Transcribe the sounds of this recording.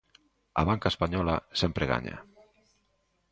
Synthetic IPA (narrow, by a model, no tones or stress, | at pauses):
a̰βaŋkaespaɲɔlasempɾeɣa̰ɲa̰